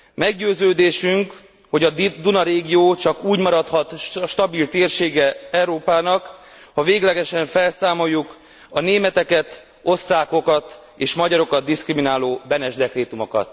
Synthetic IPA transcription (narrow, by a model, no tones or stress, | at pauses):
mɛɡɟøːzøːd̪eːʃyŋk | ho̞ɟɒd̪unɒɾeːɡijoːt͡ʃɒkuːɟmɒɾɒt̪hɒt̪ʃt̪ɒbilt̪eːrʃeːɡɛɛuɾoːpaːnɒk | hɒveːɡlɛɡɛʃɛɱfɛlsaːmo̞jːuk | ɒneːmɛt̪ɛkɛt̪ | o̞st̪raːko̞kɒt̪ | eːʃmɒɟɒɾo̞kɒd̪̚ːiskriminaːloːbɛnɛʒd̪ɛkreːt̪umo̞kɒ̰t̪